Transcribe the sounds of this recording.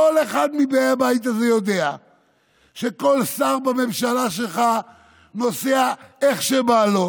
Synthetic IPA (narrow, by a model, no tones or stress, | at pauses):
oleχad̪mibejabait̪azejo̞d̪e̞a | ʃeko̞lsaʁbame̞mʃalaʃelχa | no̞seaeχʃebalo